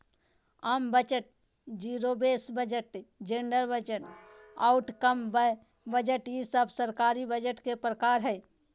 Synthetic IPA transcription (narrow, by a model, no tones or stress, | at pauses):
aːmbət͡ʃəʈ̚ | d͡ʒiːɾobeːsbəd͡ʒəʈd͡ʒẽɳɖəɾbəd͡ʒəʈ | aʊʈkəmbə | bəd͡ʒəʈjisəbʱsəɾkaːɾibəd͡ʒəʈkepɾəkaːɾɦɛj